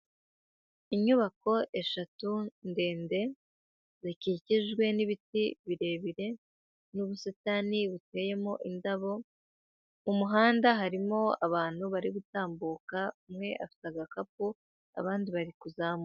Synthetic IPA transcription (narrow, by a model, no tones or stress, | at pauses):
iɲuβako̞ʔe̞ʃatunde̞ːnde̞ | zikiciʒɡwe̞niβitiβiɾe̞ːβiɾe̞ | nuβusataniβute̞ːje̞mo̞ʔindaβo̞ | umuɦaːndaɦaɾimo̞aβaːn̥huβaɾiβutaːmbuːkaumŋe̞ʔafi̥taɡakap̚u | a̰βaːndiβaɾikuzaːmo